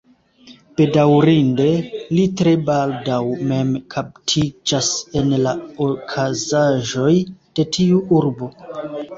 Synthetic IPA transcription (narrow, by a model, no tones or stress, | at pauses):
b̥e̞dawɾinde̞litɾe̞baldawme̞mkʰap̚tʰid͡ʒase̞nlaokʰazaʒo̞jd̥e̞tʰiuʔuɾbo̞